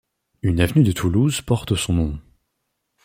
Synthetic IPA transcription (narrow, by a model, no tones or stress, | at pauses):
ynavnyd̪ət̪ʰuluzpɔʁt̪əsɔ̃nɔ̃